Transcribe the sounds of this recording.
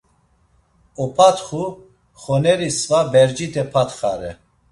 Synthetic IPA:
ɔpʰat̪χu | χɔnɛɾisvabɛɾd͡ʒit̪ʰɛpʰat̪χa̰ɾɛ̰

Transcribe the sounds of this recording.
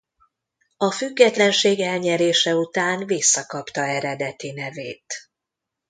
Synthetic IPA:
ɒfyɡːɛt̪lɛnʃeːɡɛlɲɛɾeːʃɛut̪aːnvisːɒkɒpt̪ɒɛɾɛd̪ɛt̪inɛveːt̪

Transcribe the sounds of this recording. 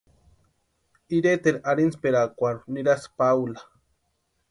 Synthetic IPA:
iɾet̪eɾaɾinspeɾakʷaɾuniɾaspawlḁ

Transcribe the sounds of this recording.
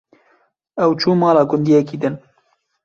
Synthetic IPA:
ɛwt͡ʃʰuːmɑːlɑːɡʊnd̪iːɛkiːd̪ɨn

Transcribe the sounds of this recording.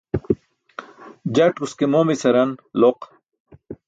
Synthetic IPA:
d͡ʑɐʈkuskemoːmisɐɾɐnloq

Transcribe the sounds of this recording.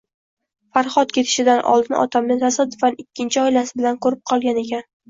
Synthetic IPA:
faɾχɒt̪kʲʰe̞t̪ʰɪ̥ʃɪd̪anʔɒ̰lˠd̪ɪnɪ̰ʔɒ̰t̪ʰamnɪt̪ʰasad̪ːʊfanɪkʲːɪnt͡ʃʰɪɒjlasɪbɪlankʰɵɾɪp̚qʰɒlˠɡʲane̞kʲan

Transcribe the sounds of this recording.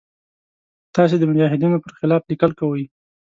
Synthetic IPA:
t̪ɑs̬ed̪əmʊd͡ʒɑɦɪd̪inopəɾxɪlɑflikəlkawəj

